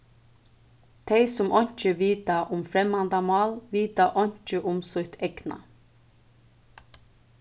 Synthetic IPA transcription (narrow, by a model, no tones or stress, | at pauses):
d̪̥ʰeɪsʊmʔɔnt͡ʃəʋiːt̪ɑʔʊmfɾɛmɑnd̪ɑmɑːlʋiːt̪ɑʔɔnt͡ʃəʔʊmsʊt̪ʰɛknɑ̰